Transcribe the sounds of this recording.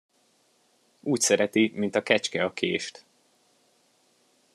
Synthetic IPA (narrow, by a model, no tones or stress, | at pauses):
uːcsɛɾɛt̪imint̪ɒkɛt͡ʃkɛɒkʰḛːʃt̪